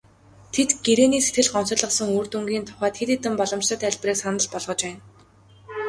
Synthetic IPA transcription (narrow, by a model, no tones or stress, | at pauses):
t̪ʰet̪ɡeɾeːniːse̥t̪ɡɘ̆ɮɢɔn̥sɞ̆ɮə̆qsə̆ŋuːrt̪uŋɡiːnt̪ʰʊ̥χæːt̪xet̪iːt̪ɘ̆mpɔɮɞ̆mt͡ɕə̆t̪æɮʲpriːksanə̆ɮpɔɮʁɞ̆t͡ɕpæːn